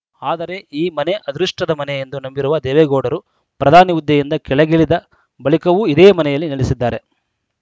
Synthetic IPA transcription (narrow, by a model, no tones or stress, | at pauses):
aːd̪ɐɾe̞iːmɐne̞ʔɐd̪ɾuʂʈɐd̪ɐmɐnɛjend̪unɐmbiɾuʋɐd̪ɛːʋeɡoːɽɐɾu | pɾɐd̪ʱaːniʋud̪ːjɐjind̪ɐkɛɭɐɡeɭid̪ɐ | bɐɭikɐʋuid̪eːmɐnɛjɐlːiniɭisid̪ːaːɾe̞